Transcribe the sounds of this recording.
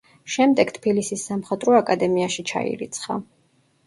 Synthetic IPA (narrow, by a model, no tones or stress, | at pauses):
ʃɛmd̪ɛɡt̪ʰpʰilisisːamχat̪ʼɾɔakʼad̪ɛmiaʃit͡ʃʰa̰ḭɾḭt̪sʰχa̰